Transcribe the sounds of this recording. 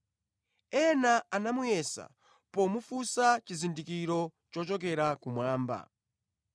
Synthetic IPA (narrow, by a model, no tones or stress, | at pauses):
ɛnaanamujɛsa̰ | pɔmufusat͡ʃizindikiɾɔt͡ʃɔt͡ʃɔkɛɾakumwaːmba̰